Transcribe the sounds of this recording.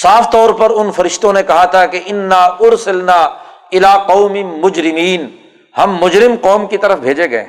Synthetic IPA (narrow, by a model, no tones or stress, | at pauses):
saːft̪ɔːɾpɐɾʊnfɐɾɪʃt̪õnekɐɦat̪ʰakeʔɪnːaːʊɾsɪlnaː | ɪlaːqɐːmɪmʊd͡ʒɾɪmiːn | hɐmːʊd͡ʒɾɪmqɔːmkit̪ɐɾəfbʱeːd͡ʒeɡɐḛ̃ː